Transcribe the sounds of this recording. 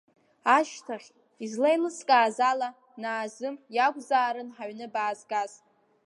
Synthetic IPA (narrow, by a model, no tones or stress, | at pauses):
aʃtʰaχʲ | izlajlɨskʼaːzala | naːzɨmjaɡʷzaːɾɨnħaɥnɨbaːzɡaz